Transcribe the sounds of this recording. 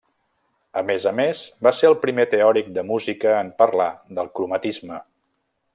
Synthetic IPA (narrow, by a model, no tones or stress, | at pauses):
əmezəmezbaseəlˠpɾimet̪eɔɾik̚d̪əmuzikəːmpərla̰ðəlˠkɾumət̪izmə